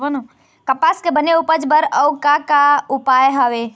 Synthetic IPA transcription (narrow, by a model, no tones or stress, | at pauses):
ənu | kəpaskebəneupəd͡ʒbəɾəwkakaupajɦəʋe